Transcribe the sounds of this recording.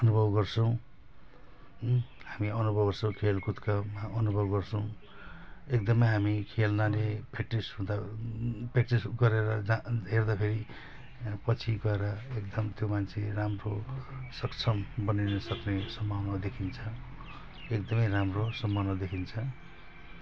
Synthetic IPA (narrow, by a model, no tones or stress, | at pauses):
ʌnubʱʌbɡʌrt͡sʰʌ̃w̃ | hamiʌnubʱʌbɡʌrsʌ̃w̃kʰelkut̪kamaʌnubʱʌbɡʌrt͡sʰʌw̃ | ekd̪ʌmʌjɦamikʰelnalepekʈrisɦũd̪a | pek̚ʈrisɡʌɾeɾʌd͡zaɦerd̪apʰeɾi | pʌt͡sʰiɡʌeɾʌekd̪ʌmt̪jomant͡sʰeramrosʌkt͡sʰʌmbʌnajnʌsʌknesʌmʱawnʌd̪ekʰint͡sʰʌ | ekd̪ʌmʌjramrosʌmːʌnʌd̪ekʰint͡sʰʌ̃